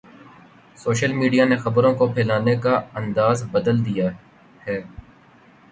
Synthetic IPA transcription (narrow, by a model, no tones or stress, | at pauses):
soːʃəlmiːɖijanexɐbɾõkopʰɛːlaːnekaɐ̃nd̪aːzbɐd̪əld̪ija | hɛː